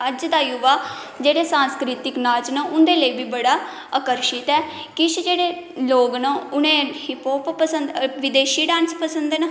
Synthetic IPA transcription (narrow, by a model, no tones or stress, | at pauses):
əd͡ʒd̪aːjuʋaː | d͡ʒeːɽeːsãːnskɾiːt̪ɪknaːt͡ʃnə̃ːʔʊnd̪eːləiːbiːbəɽaː | əkəɾʃɪt̪ɛː | kɪʃd͡ʒeːɽeːloːɡnəʊnẽːhɪpoːppəsənd̪ʋɪd̪eːʃiːɖãːnspəsənd̪enə